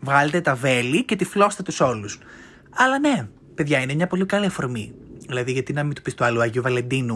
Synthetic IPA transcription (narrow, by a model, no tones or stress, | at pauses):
vɣɐle̞t̪e̞t̪ɐve̞lice̞t̪iflo̞st̪et̪uso̞lus | ɐlɐne̞ | pe̞ðʝɐinemɲɐpo̞likɐliɐfo̞ɾmiðilɐðiʝɐt̪inɐmit̪opist̪uɐluɐʝiuvɐle̞nd̪inu